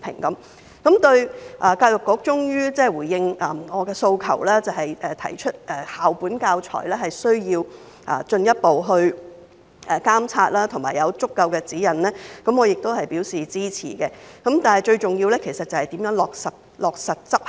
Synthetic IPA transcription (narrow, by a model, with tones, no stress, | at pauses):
pʰɪ̰˨˩ŋkɐ˨˦˥m | kɐ˨˥mt̪ɵ˧ɥʔaː˨kaː˧wjʊ˨˩kːʊ˨˥k̚t͡ʃʊ˥ŋjyː˥t͡sɛː˥˩wuː˨˩jjɪ˧ŋʔɐː˨˩ŋɔː˨˧kɛː˧so˧wkʰɐ̰˨˩wlɛː˥t͡sɐ˨˩ɦɐ˨jʔɛː˨˩t̪ʰɐ̰˨˩jt͡ʃʰɵ˥t̚ʔɛː˨˩haː˨wpuː˨˥nkaː˧wt͡ʃʰɔ̰ː˨˩jlɛː˥ɦɐ˨jsɵ˥ɥjiː˧w | ʔa̰ː˨t͡ʃɵ˧njɐ˥t̚po˨wɦɵ˧ɥ | ʔɛː˨˩kaː˥mt͡sʰaː˧t̚laː˥t̪ʰʊ˨˩ŋma̰ː˨˩jɐ˨˧wt͡sʊ˥kːɐ˧wkɛː˧t͡siː˨˥jɐ˨˩nlɛː˥kɐ˨˥mɔː˨˧jɪ˨k̚t̪o˥whɐ˨jpi˨˥wsiː˨t͡siː˥t͡sʰḭː˨˩kɛ˧kɐ˨˥mt̪aː˨nhɐ˨jt͡ʃɵ˧ɥt͡sʊ˨ŋjiː˧wlɛː˥kʰe˨˩sɐ˨t̚t͡sɐ˨whɐ˨jt̪iː˨˥mjœː˨˥ŋlɔː˨k̚sɐ˨t̚lɔː˨˩k̚sɐ˨t̚t͡sɐ˥p̚